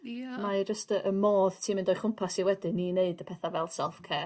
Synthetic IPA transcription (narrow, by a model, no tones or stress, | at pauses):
mad͡ʒəstəʔəmɔːðtʰiːmɪndɔjχʊmpʰasiwɛdɪnineɨdəpʰɛθavɛlˠsɛlˠfkʰɛː